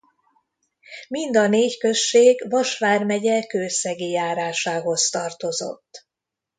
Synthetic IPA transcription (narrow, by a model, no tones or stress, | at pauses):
mind̪ɒneːckøʃːeːɡʋɒʃʋaːrmɛɟɛkøːsɛɡijaːɾaːʃaːɦo̞st̪ɒrt̪o̞zo̞̰t̪ː